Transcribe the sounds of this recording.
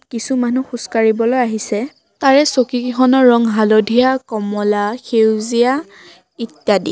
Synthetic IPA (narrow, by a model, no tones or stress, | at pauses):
kisumanuxuskaɹibɔlojaɦisɛ | taɹɛsokikxɔnɔɹɔŋɦalodʱijakɔmɔlaxewzija | itjadḭ